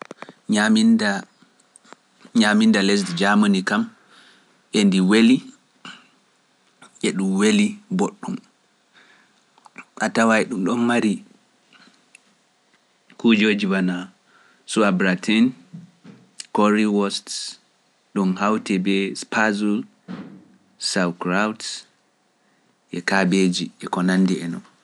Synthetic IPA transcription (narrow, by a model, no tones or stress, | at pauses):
ɲaminda | ɲamindalɛs̬dd͡ʒamanikam | ʔendiweli | ʔɛɗumweliboɗːum | ʔatawajɗumɗɔnmaɾi | kud͡ʒoːd͡ʒiwana | suabɾatʰɛn | kɔɾiwɔst | ɗunhawtɛbɛspʰazul | sawkɾawt | ʔɛkaɓed͡ʒiɛkɔnandiɛnɔn